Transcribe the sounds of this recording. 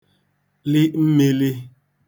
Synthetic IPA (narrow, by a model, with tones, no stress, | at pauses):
lɪ˦m̩˦me˦li˦